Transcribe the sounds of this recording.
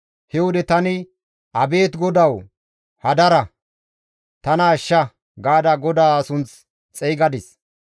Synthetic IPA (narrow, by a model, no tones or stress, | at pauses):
hɛwɔd̪ɛt̪ɐnɪ | ʔɐbe̞ːt̪ɡɔd̪ɐw | hɐd̪ɐɾɐ | t̪ɐnɐːʃːɐ | ɡaːd̪ɐɡɔd̪aːɐsʊnt͡s | t͡sʼɛjɡɐd̪ɪs